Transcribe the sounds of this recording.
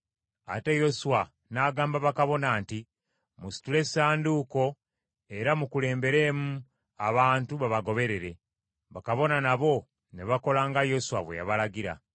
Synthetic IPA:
a̰te̞jo̞suwa | naːɡaːmbaβakaβo̞naːnti | musi̥tule̞saːnduːko̞ | e̞ɾamukule̞ːmbe̞ɾe̞ːmu | aβaːntuβaβaɡo̞βe̞ɾe̞ɾe̞ | βakaβo̞nanaβo̞ | neβako̞laːŋɡajo̞suwaβwe̞̰ja̰βalaɡiɾa̰

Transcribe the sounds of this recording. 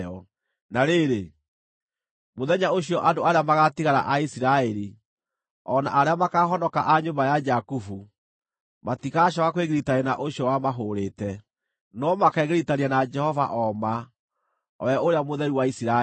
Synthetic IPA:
ɔ | naɾeɾe | moðɛɲaoɕijɔʔadoaɾeamaɣatiɣaɾa̰ʔaisiɾaɛɾi | ɔna̰ʔaɾeamakaːɦɔnɔkaʔaɲombajad͡ʒakufu | matikaɕɔkakweɣeɾitaɾenaʔoɕiɔwamaɦoɾetɛ | nɔmakɛːɣeɾitaɾianad͡ʒɛhɔva̰ʔɔma | ɔ̰ɛoɾeamoðɛɾiwaisiɾa

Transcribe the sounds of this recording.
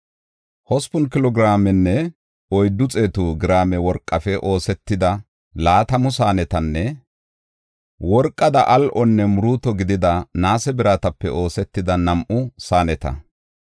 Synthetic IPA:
hɔspʊnkɪlɔɡɪɾaːmɛnːɛ | ɔjd̪ːʊt͡sʼeːt̪ʊɡɪɾaːmɛwɔɾkʼːɐfɛʔo̞ːsɛt̪ːɪd̪ɐ | laːt̪ɐmʊsaːnɛt̪ɐnːɛ | wɔɾkʼːɐd̪ɐʔɐlʔɔnːɛmʊɾuːt̪ɔɡɪd̪ɪd̪ɐnaːsɛbɪɾaːt̪ɐpːɛ̰ʔo̞ːsɛt̪ːɪd̪ɐnɐmʔʊsaːnɛt̪ɐ̰

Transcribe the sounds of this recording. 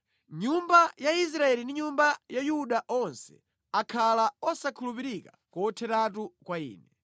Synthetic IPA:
ɲumbajais̬ɾaɛlindiɲumbajajuɗaʔɔnsɛ̥ | akʰalaɔsakʰulupiɾika | kɔtʰɛtatukwaḭːnɛ

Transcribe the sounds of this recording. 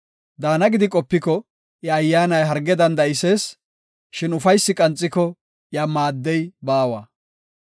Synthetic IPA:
d̪aːnɐɡɪd̪ɪkʼɔpːɪkɔ | ʔjɐːjːaːnɐjɦɐɾɡɛd̪ɐnd̪ɐɪseːs | ʃɪnʊfɐjsːɪkʼɐnt͡sʼːɪkɔ | jamaːd̪ːɛjbaːwa̰

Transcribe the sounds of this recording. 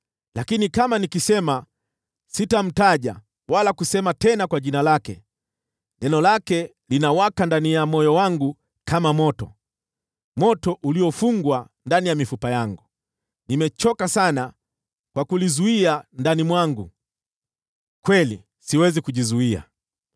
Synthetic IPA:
lakinikamanikisɛma | sitam̩taʄa̰ | walakusɛmatɛnakwaʄinalakɛ̰ | nɛnɔlakɛ | linawakandanijamɔjɔwaŋɡu | kʰamamɔtɔ̰ | mɔtɔʔuliɔfuŋɡwa | ndanijamifupajaŋɡu | nimɛt͡ʃɔkasana | kwakulizuiandanimwaŋɡu | kwɛli | siwɛzikuʄizuia̰

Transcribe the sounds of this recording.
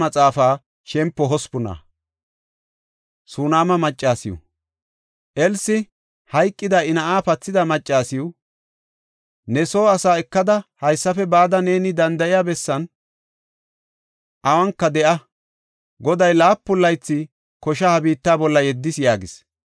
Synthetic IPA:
mɐt͡sʼaːfaː | ʃɛmpːɔɦɔspʊna̰ː | suːnaːmɐmɐt͡ʃʼːaːsɪjʊ̰ | ʔɛlsɪ | hɐjkʼːɪd̪ɐɪnɐʔaːpɐt͡sːɪd̪ɐmɐt͡ʃʼːaːsɪjʊ | nɛsoːɐsaːɛkːɐd̪ɐhɐjsːɐfɛbaːd̪ɐne̞ːnɪd̪ɐnd̪ɐʔɪjaːbɛsːɐn | ʔɐwɐŋkːɐd̪ɛʔɐ | ɡɔd̪ɐjlaːpːʊlːɐjt͡sːɪ | kɔʃ̬ɐhɐbiːt̪ːaːbɔlːɐjɛd̪ːɪsjaːɡɪs

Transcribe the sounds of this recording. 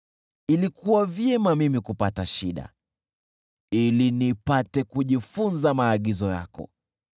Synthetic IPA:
ilikuwavjɛmamimikupataʃiɗa̰ | ilinipatɛkuʄifunzamaːɠizɔja̰kɔ̰

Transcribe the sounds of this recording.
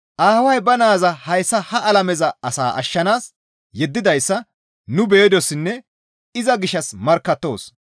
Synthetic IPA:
ʔaːwɐjbɐnaːzɐhɐjsːɐhɐʔɐlɐmɛzɐɐsa̰ːʔɐ̰ʃːɐnaːs | jɛd̪ːɪd̪ɐjsːɐ | nʊbeːd̪ɔsːɪnːɛ | ɪzɐɡɪʃɐsmɐɾkːɐt̪ːo̞̰ːs

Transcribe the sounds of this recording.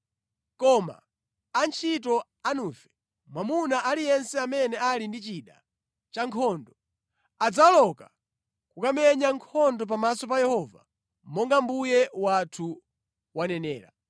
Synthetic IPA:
kɔma̰ | ant͡ʃʰitɔ | anuːfɛ̥ | mwamunaʔalijɛnsɛamɛnɛalindit͡ʃiɗa̰ | t͡ʃaŋkʰɔndɔ | ad͡zalɔka | kukamɛɲaŋkʰɔndɔp̬amasɔp̬ajɛhɔːva̰ | mɔŋɡambujɛwatʰu | wanɛnɛ̰ːɾa̰

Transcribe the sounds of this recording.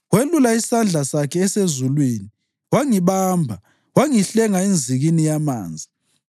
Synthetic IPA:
ɣwelulaisand͡ɮʱasakʰɛːsezulwiːni | waŋiβaːmbʱa | waŋiɬɛŋaind͡zʱiɣinijama̰ːnd͡zʱi

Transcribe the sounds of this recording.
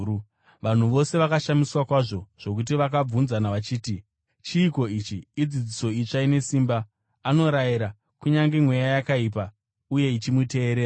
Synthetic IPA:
ʋan̤uʋo̞se̞ʋakaʃamiswakwaʐo̞ʐ̥o̞k̬ut̬iʋak̬ab͡vunzanaʋat͡ʃiːti | t͡ʃiːko̞it͡ʃiːd͡zid͡ziso̞it͡ʂaine̞siːmbaː | no̞ɾajiɾa | kuɲaŋɡemwe̞jajakaip̬a | uje̞it͡ʃimute̞ːɾeːra

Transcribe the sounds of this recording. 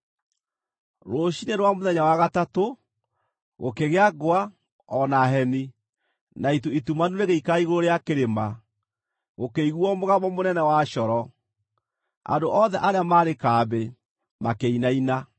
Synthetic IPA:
ɾoɕineɾwamoðɛɲawaɣatato | ɣo̰keɣeaɡoa | ɔnaɦɛni | naituitumanuɾeɣeikaiɣoɾoɾeakeɾema | ɣokeiɣwɔmoɣaβɔmonɛnɛwaɕɔɾɔ | a̰ndoʔɔðɛʔaɾeamaːɾekaːbe | makeinaina

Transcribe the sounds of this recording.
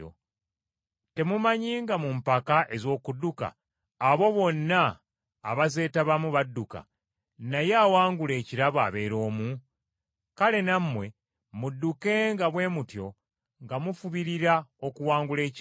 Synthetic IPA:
o̰ | te̞mumaɲiːŋɡamumpakaʔe̞zo̞ːkuduka̰ː | βo̞βo̞nːaː | βaze̞ːtaβamuβadːuka̰ | najaːwaːŋɡule̞ːciɾaβa̰βe̞ːɾo̞ːmu | kale̞namːwe̞ | mudːuke̞ŋɡaβwe̞ːmutjo̞ | ŋɡamufuβiɾiɾao̞kuwaːŋɡule̞ː

